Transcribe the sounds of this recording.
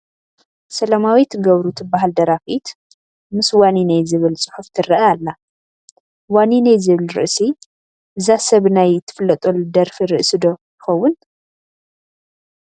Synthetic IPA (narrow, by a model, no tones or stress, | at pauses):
sɐlɐmawit̪ʰɡɐβɾut̪ʰɨbːaɦald̪ɐɾafit̪ | mɨswaninajzɨβɨlsʼʊ̥ħuft̪ʰɨɾɐʔaalːa | waninajzɨβɨlɾɨ̰ʔsi | ʔɨzasɐβnajt̪ʰɨ̥fɨlːɐt̪ʼold̪ɐɾfiɾɨʔsɨd̪o̞jɪxɐwːʊn